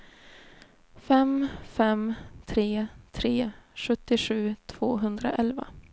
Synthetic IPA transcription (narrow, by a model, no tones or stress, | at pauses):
fɛmfɛmt̪ʰɾeːt̪ʰɾeːɧɵt̪ːɪɧʉ̟ːt̪ʰv̥oːɦɵnd̪ɾa̰ʔɛlva̰